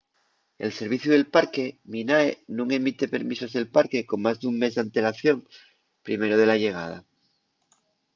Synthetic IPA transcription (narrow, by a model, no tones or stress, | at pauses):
e̞̰lse̞ɾβ̞iθjuðelpaɾke̞minaenũŋe̞mit̪e̞pe̞ɾmisazðe̞lpaɾke̞ko̞ŋmazðuŋme̞zðant̪e̞laθjo̞ŋ | pɾime̞ɾoð̞e̞laʎe̞ɣ̞a̰ð̞a̰